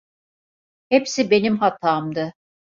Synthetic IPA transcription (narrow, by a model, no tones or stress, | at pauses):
hepsibe̞nimɦat̪ʰaːmd̪ɯ